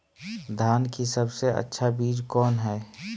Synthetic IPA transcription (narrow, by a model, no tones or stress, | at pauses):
d̪ʱaːnkisəbseə̰tːʃʰabiːd͡ʒkɔːnɦɛː